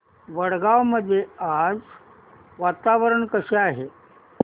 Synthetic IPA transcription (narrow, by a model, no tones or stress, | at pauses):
ʋəɽɡaʋməd̪ʱːjead͡z | ʋat̪aʋəɾəɳkəɕeaɦe